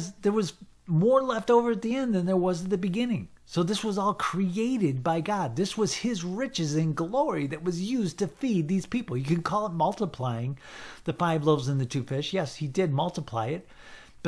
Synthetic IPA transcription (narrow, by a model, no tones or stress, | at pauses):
zðə˞wʌz | mɔɹlɛftoʊvə˞ɨt̪̚ðiɛ̃nðɨ̃nðə˞wʌzɨt̪̚ðɨbɨɡɪ̃nɪ̰̃ŋ | soʊðɪswʌzɔlˠkʰɹ̥ieɪɾɨd̚baɪɡɑd̪̚ðɪswʌz̥ɪzɹɪt͡ʃɨzɨ̃nɡlɔɹiðɨt̚wʌzjʉztʰɨfid̪̚ðiz̥pipl̩ˠjɨkɨ̃nkʰɔlˠət̚mʌlˠtəpʰl̥aɪɪ̃ŋðɨfaɪvloʊvzɨ̃nðɨtʰʉfɪʃjɛshidɪd̚mʌlˠtəpʰl̥a̰ɪɨt̚ | b̥ʌ